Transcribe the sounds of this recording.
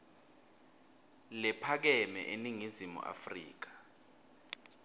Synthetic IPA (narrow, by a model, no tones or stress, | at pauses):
lɛpʰak̬ɛmɛ̰ʔeniŋizimṵʔa̰frḭːk̬ḁ